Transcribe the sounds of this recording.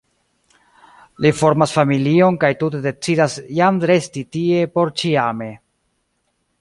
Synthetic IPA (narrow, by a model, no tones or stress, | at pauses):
lifo̞ɾmasfamilio̞nkajtut̬e̞de̞t͡sidasjamɾe̞stitie̞po̞ɾt͡ʃiame̞